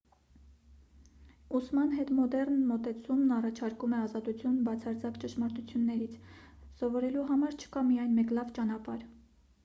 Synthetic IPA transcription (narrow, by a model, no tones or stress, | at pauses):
usmɑnɦɛt̪mɔd̪ɛrnmɔt̪ɛt͡sʰumnɑrɑt͡ʃʰɑɾkumɛɑzɑt̪ut͡sʰjunbɑt͡sʰɑɾt͡sʰɑkt͡ʃəʃmɑɾt̪ut͡sʰjunːɛɾit͡sʰsɔvɔɾɛluɦɑmɑɾt͡ʃʰə̥kɑmijɑjnmɛklɑvt͡ʃɑn̪ɑpɑɾ